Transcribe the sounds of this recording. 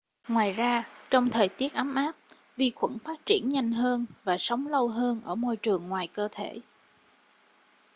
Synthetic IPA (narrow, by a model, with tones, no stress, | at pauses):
ŋwaː˨˩jzaː˧t͡ɕɔ˧wŋ͡mt̪ʰəː˨˩jt̪i˦˥ət̚ʔa˨˦mʔaː˦˥p̚ | vi˧xwə̰˧˩nfaː˦˥t̚t͡ɕi˧˩ənɲa˧jŋ̟ɦəː˧nvaː˨˩sə˨˦wŋ͡mlə˧wɦəː˧nʔəː˧˩mo˧jt͡ɕɨ˨˩əŋːwaː˨˩jkəː˧t̪ʰe˧˩